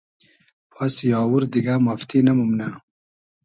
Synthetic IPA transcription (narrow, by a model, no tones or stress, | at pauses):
pasjɑːwuɾd̪iɡamaft̪inamumna